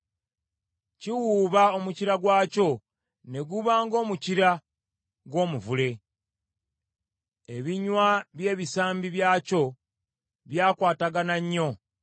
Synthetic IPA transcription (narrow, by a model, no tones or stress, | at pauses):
ciwuːβaomuciɾaɡwaːco̞ | ne̞ɡuβaːŋɡo̞ːmuciɾa | ɡo̞ːmuvule̞ | eβiɲwaβje̞ːβisaːmbiβjaːco̞ | βjaːkwaːtaɡanaɲːo̞